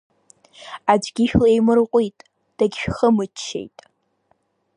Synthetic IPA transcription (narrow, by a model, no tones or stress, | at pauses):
ad͡ʒɡʲɪʃᶣlaejmɨrqʷʼitʼ | d̥aɡʲʃᶣχəmɨt͡ʃʰːe̞̰jtʼ